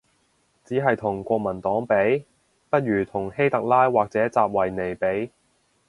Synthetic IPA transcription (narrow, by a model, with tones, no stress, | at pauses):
t͡siː˨˥ɦɐ˨jt̪ʰʊ˨˩ŋkʷɔː˧k̚mɐ˨˩nt̪ɔː˨˥ŋpe˨˥j | pɐ˥t̚ɥyː˨˩t̪ʰʊ˨˩ŋhe˥jt̪ɐ˨k̚laː˥jwaː˨k̚t͡sɛː˨˥t͡saː˧p̚wɐ˨˩jne˨˩jpe˨˥j